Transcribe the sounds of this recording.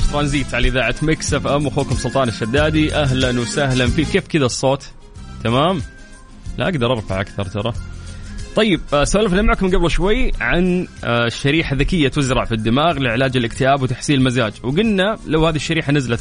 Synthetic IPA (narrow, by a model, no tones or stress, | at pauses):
t̪ɾˤɑːnziːt̪ʕalʔɪðaːʕat̪mɪksafʔamwxoːkʊmsʊlt̪ˤɑːnɪʃːad̪ːaːd̪iʔaɦlanwsahlamfiːkeːfkɪðasˤːoːt̪ | t̪ːamaːm | la̰ʔaɡd̪ɑɾˤʔɑɾˤfaʕʔakθɑɾˤt̪ɑɾˤɑ | t̪ˤɑjːɪb̚saʔalafnamaʕkmɪnɡablˤʃwajːʕanʃːaɾiːħaðakɪjːat̪ʊzɾɑʕfid̪ːɪmaːɣlɪʕɪlaːd͡ʒɪlɪkt̪ɪʔaːbwɪt̪aħsiːnlmazaːd͡ʒwɡʊnːalawhaːðiʃːaɾiːħanazlat̪